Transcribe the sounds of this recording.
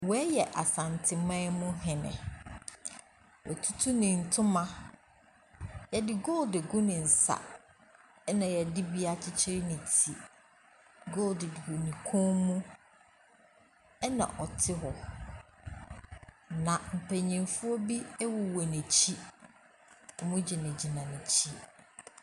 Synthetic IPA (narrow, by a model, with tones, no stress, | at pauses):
wɛ˦jɛ˨ʔa˨sã˨ntʰɪ˨mã˦mʊ̃˦ɦɪ̃˨nɪ̰̃˨ | wɔ̰˨tʰu˦tʰu˦nɪ̃˨n̩˨tʰʊ̃˦mã˨ | jɛ˨dɪ˨ɡo˦ldɪ˨ɡʊ˦nɪ̃˨n̩˨sa̰˨ | ɛ˦nã˨jɛ˨dɪ˦bi˦a˨t͡ɕʰɪ˦t͡ɕʰɪ˦ɾɪ˦nɪ̃˨tʰi˨ | ɡo˦ldɪ˨dɡu˨nĩ˨kʰɔ̃˦ŋmũ˦ | ɛ˦nã̰˨ʔɔ˨tʰɪ˦ɦɔ˨ | nã˨m̩˨pʰɛ̃˨ɲĩ˨nfʊ˦ɔ˦bi˦ɛ˦wɔ˨wɛ˨nɛ̃˨t͡ɕʰi˦ | ɔ˨mʊ̃˦d͡ʑi˨nɪ̃˨d͡ʑi˨nã˨nɪ̃˨t͡ɕʰi˦